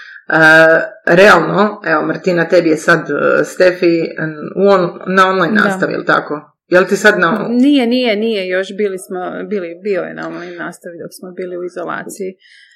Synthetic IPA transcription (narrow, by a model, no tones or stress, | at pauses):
ə | ɾe̞alˠnoe̞ʋomrɾt̪inat̪e̞bijesad̪st̪efiuonnao̞nlajnːa̰ːst̪aʋḭjḛlˠt̪a̰ko̞ | jelˠt̪isad̪nanijenijenijejo̞ʃbiːlismobiːlibiojḛna̰onlajnːaːst̪aʋid̪oksmobiːliuizolˠa̰ːt̪siji